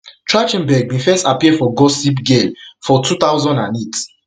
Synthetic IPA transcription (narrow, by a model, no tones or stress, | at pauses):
t͡ʃɹat͡ʃɛ̃nbɛɡ̚mĩfɛstapiɛfɔɡɔsip̬ɡemfɔtʰut̪aʊzɔ̃ndãnet